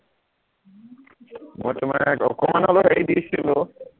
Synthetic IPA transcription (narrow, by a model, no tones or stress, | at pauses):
mɔt̪omaɛkɔ̰komanɦɔloɦeed̪iet͡ɕʰilo